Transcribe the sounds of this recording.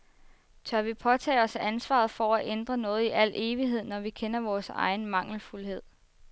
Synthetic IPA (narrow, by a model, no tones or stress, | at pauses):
t͡sʰɶɐʋipʰɒ̽t͡sʰɛ̰ːɒ̽sæʔænsʋɑ̰̈ð̞̩ˠfɒæʔend̥ʁɐnɔ̽ːð̞̩ˠiʔæl̰ʔe̝ːʋiɦe̝ð̞̰ˠnɒʋikʰenɐʋɒːsɑ̈ɪn̩mɑ̈ŋ̰l̩fulhe̝ð̞̰ˠ